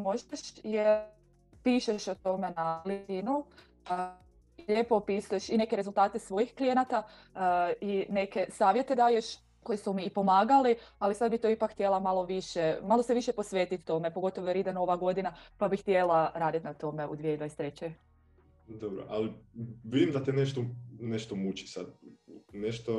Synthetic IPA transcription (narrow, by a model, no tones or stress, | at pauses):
mo̞ʒaʃjeɾ | piːʃeʃot̪o̞menaliinu | iʎeːpo̞piːsujeʃine̞ke̞ɾezulˠt̪aːt̪e̞sʋo̞jixklijenat̪a | ine̞ke̞saːʋjet̪e̞d̪aːje̞ʃ | ko̞jisumiːpo̞maːɡalialisad̪bit̪oipakxt̪je̞lˠamalˠo̞ʋiʃemalˠo̞seʋiʃepo̞sʋe̞ːt̪it̪t̪ːo̞me̞po̞ɡo̞t̪oʋoeɾid̪eno̞ʋaɡo̞d̪inapabixt̪je̞lˠaɾaːd̪it̪nat̪o̞me̞ṵd̪ʋieid̪ojst̪ɾet͡ɕe | d̪obɾo̰ʔa̰liʋid̪imd̪at̪ineʃt̪oneʃt̪omut͡ɕi̥sad̪̚neʃt̪o